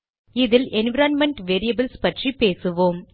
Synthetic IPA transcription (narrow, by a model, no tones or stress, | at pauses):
ɪðɪlɛnʋɐɾaːnmɛɳʈʋeːɾijɐbɪlspɐʈripeːsɯʋoːm